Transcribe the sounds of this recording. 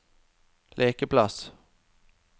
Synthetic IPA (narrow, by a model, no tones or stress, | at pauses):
lʔeːkəpʰlas